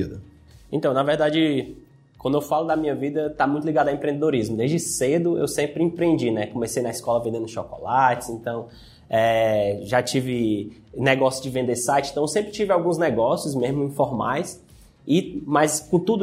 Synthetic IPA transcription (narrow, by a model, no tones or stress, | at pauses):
id̪ɐ | ẽt̪ɐ̃w̃nɐvɛɾd̪ad͡ʒɪ | kwɐ̃nd̪ʊewfalʊd̪ɐmĩɲɐvid̪ɐt̪amũt̪ʊuliɡad̪ʊãẽmpɾẽd̪ed̪oɾizmʊd̪ezd͡ʒɪsed̪ʊḛwsẽpɾɪĩpɾiẽnd͡ʒinɛkõmesejnɐiskɔlɐvẽnd̪ẽnd̪ʊʃɔkɔ̰lat͡ʃɪ̥zẽt̪ɐ̃w̃ | ɛʒat͡ʃivɪ | nɛɡɔsjʊzd͡ʒɪvẽnd̪esajt͡ʃɪẽt̪ɐ̃w̃ewsẽmpɾɪt͡ʃivɪawɡũznɛɡɔsjʊsmezmʊĩfɔɾma̰js | ɪmajskõt̪ud̪ʊ